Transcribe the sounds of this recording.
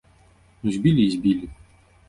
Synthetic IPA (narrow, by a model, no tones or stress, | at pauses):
nuzʲbʲilʲizʲbʲilʲi